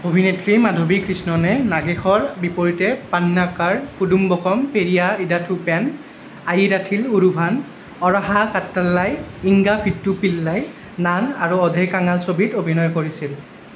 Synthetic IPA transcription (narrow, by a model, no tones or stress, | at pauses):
obʱinetɹimadʱobikɹisnɔnɛnaɡexɔɹbipoɹitɛpanːakaɹkudumbɔkɔmpeɹijaidatʰupɛn | ajidatʰiluɹubʱan | ɔɹaɦakatːalːajiŋɡapʰitːupilːaj | nanaɹuɔdʱejkaŋalsobʱitobʱinɔjkoɹisil